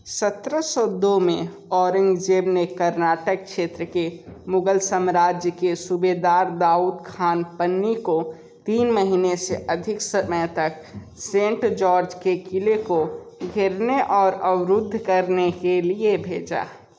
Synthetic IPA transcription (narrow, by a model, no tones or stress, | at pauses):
sət̪ɾəsɔd̪omẽ | ɔːɾɪ̃ŋɡd͡ʒeːbnekəɾnaːʈək̚ʃeːt̪ɾəkemʊɡəlsəmɾaːd͡ʒjəkesubed̪aːɾd̪aːuːd̪kʰaːnpənːiko | t̪iːnməɦineseʔəd̪ʱɪksəməjt̪ək̚ | sẽːɳʈd͡ʒɔːɾd͡ʒkekilekoɡʱɪɾneʔɔːɾəwɾʊd̪ʱːkəɾnekeliebʱeːd͡ʒa̰ː